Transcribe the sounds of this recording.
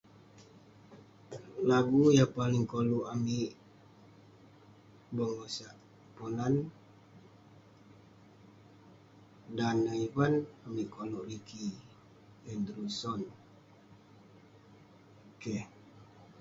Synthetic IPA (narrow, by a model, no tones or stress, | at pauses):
laɡujapalɪŋkoluʔamiʔ | bəŋosaʔ | ponan | danəivanamiʔkoluʔrikʰi | ɛnd̪ɾusɔn | oke